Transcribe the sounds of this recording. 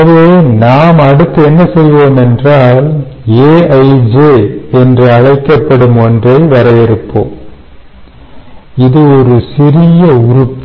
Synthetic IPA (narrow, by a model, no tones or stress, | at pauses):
ʋeːnaːmɐɽɯt̪ːɯɛnːɐsɛjʋoːmɛndraːl | eːɐɪd͡ʒeːɛndrɯɐɻɐɪkːɐpːɐɽɯmɔndrɐɪʋɐɾɐjɪɾɯpːo̰ːm | ɪðɯɔɾɯsɪrɪjɐʊɾɯpː